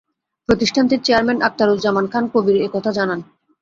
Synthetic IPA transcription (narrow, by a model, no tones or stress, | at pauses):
pɾot̪iʃʈʰant̪iɾt͡ɕeaɾmɛnak̚t̪aɾold͡ʑamankʰankobiɾekɔt̪ʰad͡ʑanan